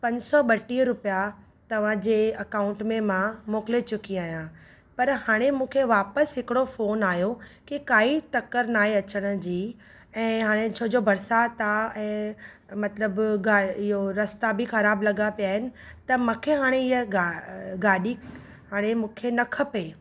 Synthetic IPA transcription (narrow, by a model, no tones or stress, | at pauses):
pɐ̃ɲd͡ʑsɔɓɐʈiɦɾʊpja | t̪ɐʋ̤ãd͡ʑeːɐkaːʊ̃ɳʈmẽmãmoːkɪlet͡ɕʊkiaːɦijã | pɐɾɦaːɽ̃emũːkʰeʋaːpəsɦɪkɪɽofoːnaːɦjokikaːit̪ɐkəɾnaːɦeɐt͡ɕəɽ̃̆d͡ʑiː | ɛ̃ːɦaːɽ̃et͡ɕʰoːd͡ʑobʱɐɾsat̪aɛ̃ː | mɐt̪ləbɡaːɪɦoɾɐst̪abixɐɾaːblɐɡapijaːɦɪnɪ̆t̪ɐmũːkʰeɦaːɽ̃eɪɦɡaɡaːɗi | ɦaːɽ̃emũːkʰenɐkʰəpe